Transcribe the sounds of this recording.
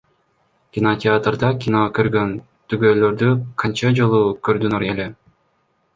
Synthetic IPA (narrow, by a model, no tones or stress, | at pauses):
kʲinotʲɪat̪rd̪ɑkʲinokøɾɡøn | t̪yɡøːløɾd̪yqʰɑnt͡ʃɑd͡ʒo̞lˠukøɾd̪ynoɾele